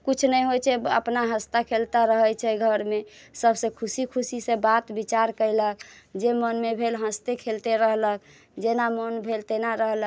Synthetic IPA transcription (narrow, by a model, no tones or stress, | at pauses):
kut͡ʃʰnɛjɦot͡ʃʰɛə̰pnaɦəst̪akʰelt̪aɾəɦət͡ʃʰɛɡʱəɾmesəbʱsekʰusikʰusisebat̪bit͡ʃaɾkəjləkd͡ʒemənmebʱelɦə̃st̪ekʰelt̪eɾəɦlək | d͡ʒenamənbʱelt̪enaɾəɦlə